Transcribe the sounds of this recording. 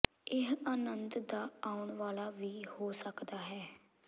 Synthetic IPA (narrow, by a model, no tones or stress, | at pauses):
ɪɦaːnənd̪d̪aːaːʊɳʋaːlaːʋiːhoːsəkd̪aːɦɛː